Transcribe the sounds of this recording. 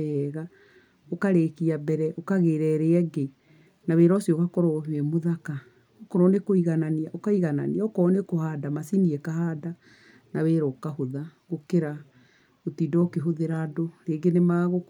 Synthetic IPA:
ɛɣa | okaɾekiabɛɾɛʔokaɣeɾɛɾeɛɡe | naweːɾɔsiɔɣakɔɾɔɦeɛmoðaka | okɔɾɔnekoiɣananiaʔokaiɣana̰niaokɔnekohaːdamasiniɛkahaːda | naweːɾɔkahoðaɣokeɾa | otidɔokeɦoðeɾadoɾeːɡenemaɣo

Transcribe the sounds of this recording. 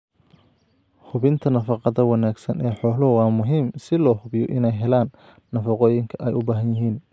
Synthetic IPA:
hʊβɪnt̪ʰɐnɐfɑqɑðɐwɑnaːɡsɐnʔɛːħɔːlʊwɑːmʊɦiːmsɪlɔːhʊbjɔʔɪnɛjɦɛlaːnː | ɐfɑqɔːjɪŋkʰɐʔɛjʊbaːɦɐnjɪɦiːn

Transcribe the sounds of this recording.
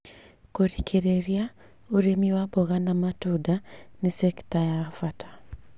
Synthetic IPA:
koɾikʰɛɾeɾia | uɾemiwabɔɣanamatudanisɛktajaːfatḁ

